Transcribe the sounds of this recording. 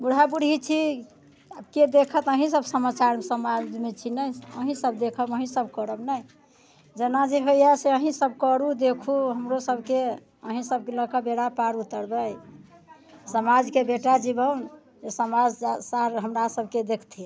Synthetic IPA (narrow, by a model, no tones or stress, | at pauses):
buɽ̤ɦabuɽit͡ʃʰi | abked̪ekʰət̪əɦĩsəbsəmat͡ʃaɾmesəmad͡ʒmet͡ʃʰinəjəɦĩsəbd̪ekʰəbəɦĩsəbkəɾəbnəj | d͡ʒenad͡ʒiɦojaseəɦĩsəbkəɾud̪ekʰuɦəmɾosəbʱke | əɦĩsəb̚keləkəbeɽapaɾut̪əɾbəj | səmad͡ʒkebeʈad͡ʒibəwn | d͡ʒesəmad͡ʒsaɾɦəmɾasəb̚ʱked̪ekʰt̪ʰi